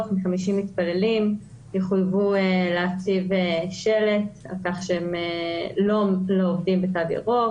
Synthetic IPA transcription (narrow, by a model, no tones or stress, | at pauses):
tmiχamiʃimitpale̞lim | jeχujvueleat͡siveʃe̞le̞t | a̰lkaχʃeemelo̞loovdimbet͡sadjḛʁo